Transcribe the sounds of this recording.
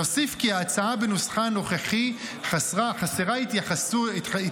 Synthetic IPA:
osifkiaːt͡saabenusχano̞χeχi | aaχaseʁait̪jaχasui

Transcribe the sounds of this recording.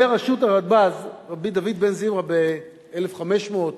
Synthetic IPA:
eʁaʃutaʁad̪̚bazʁabid̪avid̪benzimʁabe | elefχame̞ʃmot̪

